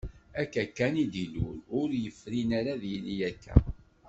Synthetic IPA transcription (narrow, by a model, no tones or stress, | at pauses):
ækːækːænid̪ilṵlʊɾjəfːɾinaɾaðjilijækːæ̰